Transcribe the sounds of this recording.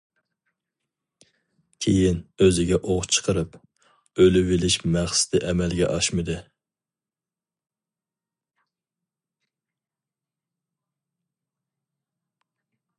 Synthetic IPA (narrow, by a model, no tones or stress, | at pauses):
kʲʰejinøzɪɡʲɛʔoʁt͡ʃʰə̥qʰəɾɨp | ølyvɪlɪʃmæχsɪ̥t̪ɪʔɛmɛlɡʲɛ̰ʔɑʃmɨd̪ɨ